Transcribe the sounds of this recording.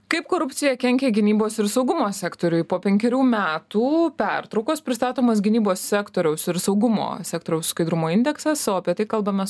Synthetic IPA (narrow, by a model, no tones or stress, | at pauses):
kɐɪpkoːɾʊpʲt̪sʲɪjɛkʲɛŋʲkʲeɡʲɪnʲiːboːsɪɾsɐʊɡʊmoːsʲæːkt̪oːɾʲʊɪpoːpʲɛŋʲkʲɛɾʲuːmʲæːt̪uːpʲæɾt̪ɾɐʊkospʲɾʲɪst̪ɑːt̪oːmɐs̬ɡʲɪnʲiːboːssʲæːkt̪oːɾʲɛʊsɪɾsɐʊɡʊmo̰ːsʲæːk̚t̪oːɾʲɛʊsskɐɪd̪ɾʊmoːɪnʲd̪ʲɛksɛsoːɐpʲiɛt̪ɐɪkɐlˠbɐmʲɛs